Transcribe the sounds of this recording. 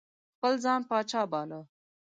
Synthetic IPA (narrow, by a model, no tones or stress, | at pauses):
pɐlzaːnpaːt͡ʃaːbaːlə